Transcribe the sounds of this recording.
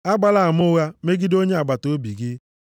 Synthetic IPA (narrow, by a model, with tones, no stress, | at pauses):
a˦ɡ͡ba˨la˦a˨mʊ˦ɣa˦me˦ɡi˦do˦ɲe˦a˨ɡ͡ba˨to˨˦bi˨ɡɪ˦